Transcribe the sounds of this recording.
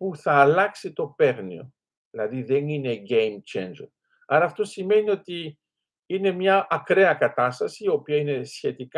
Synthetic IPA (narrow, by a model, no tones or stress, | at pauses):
puθɐːlɐksit̪o̞pe̞ɾnḭo̞̰ | ðilɐðiðe̞nine̞ɟejmt͡ʃḛnd͡ʒon | ɐɾɐːft̪o̞sime̞nio̞t̪i | ine̞mɲɐʔɐkɾe̞ɐkɐt̪ɐst̪ɐsio̞piɐine̞sçe̞t̪ik